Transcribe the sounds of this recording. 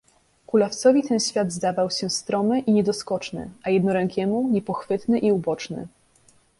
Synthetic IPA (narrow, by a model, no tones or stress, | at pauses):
kulaft̪sɔvʲit̪ɛnɕfʲjad̪zd̪avawɕɛst̪ɾɔmɘʔiɲɛd̪ɔskɔt͡ʂnɘ̰ajɛd̪nɔɾɛŋkʲɛmuɲɛpɔxfɘt̪nɘʔiubɔt͡ʂnɘ̰